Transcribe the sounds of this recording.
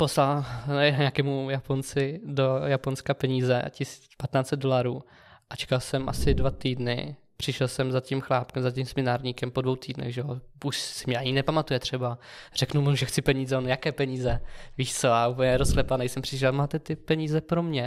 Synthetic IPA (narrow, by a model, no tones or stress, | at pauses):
po̞slalnɛɛdɲakɛːmujapont͡sɪdo̞japo̞nskapɛɲiːzɛ̰cɪsi̥ | pat̪naːsɛd̪do̞laɾuː | ʔat͡ʃɛ̥kalsɛmʔa̰sɪdvat̪iːdnɪ̰ | pr̥ɪʃɛlsɛmzacimxlaːpkɛmzaciːmsɛmɪnaːɾɲiːkɛmpo̞dvo̞wt̪iːdnɛ̰ɣʒɛouʃsɪmɲɛaɲɪnɛpamat̪ujɛt̪r̝̥ɛbar̥ɛknumouʒɛxt̪t͡sɪpɛɲiːzɛonjakɛːpɛɲiːzɛviːʃt͡soaupəɲɛɾosklɛpanɛjsɛmpr̥ɪʃ̬ɛlmaːt̪ɛt̪ɪpɛɲiːzɛpɾomɲɛ